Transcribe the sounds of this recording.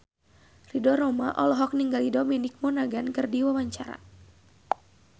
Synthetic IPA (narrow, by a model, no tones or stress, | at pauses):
ridɔɾɔma̰ʔɔlɔɦɔk̚niŋɡalidɔminɪk̚mɔnaɡankɨrdiwawaɲt͡ʃaɾa̰